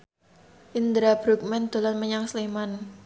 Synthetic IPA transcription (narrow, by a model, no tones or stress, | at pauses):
ʔind̪ɾabɾuk̚mɛnd̪̥o̤lanməɲaŋsleman